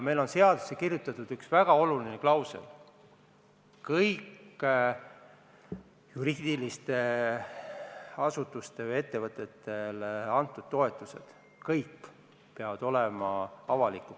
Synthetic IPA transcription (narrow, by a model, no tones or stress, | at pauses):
me̞jlo̞nse̞ɑd̪̥u̥sekirjut̪ːˑɑt̪ud̪̥yksvæɡ̥ɑo̞lulineklɑwsḛl | kɤjkː | juɾiːd̪̥ilist̪e̞ | ɑsut̪ːˑust̪e̞vɤje̞t̪ːe̞vɤt̪ːˑet̪ːˑe̞lɑnt̪ːˑud̪̥̚t̪ːo̞e̞t̪ːˑuse̞̰d̪̥ | kɤjkː | pe̞ɑvɑd̪̥o̞lemɑɑvɑlikːˑu